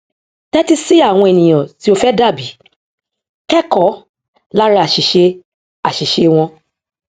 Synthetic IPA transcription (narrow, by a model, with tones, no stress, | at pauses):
tɛ˦ti˧si˦a˦˨w̃ɔ̃˧e˨nĩ˨j̃ɔ̃˨ti˨˦o˧fɛ˦da˦˨bi˨˦ | kɛ˦kɔ˨˦ | la˦ɾa˧a˨ʃi˨ʃe˧ | a˨ʃi˨ʃe˧w̃ɔ̃˧